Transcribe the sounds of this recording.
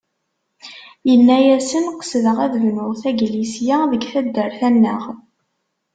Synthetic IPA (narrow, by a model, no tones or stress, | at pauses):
jəlːæjæsənqə̥sðəʁæðvnʊʁθæɡlisjæðəɡθæd̪ːəɾθænːəʁ